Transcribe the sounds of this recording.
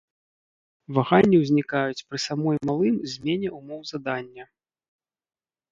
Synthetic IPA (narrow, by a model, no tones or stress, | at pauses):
vaɣanʲːiwzʲnʲikajut͡sʲpɾɨsamɔjmalˠɨmzʲmʲɛnʲɛumɔwzad̪anʲːɐ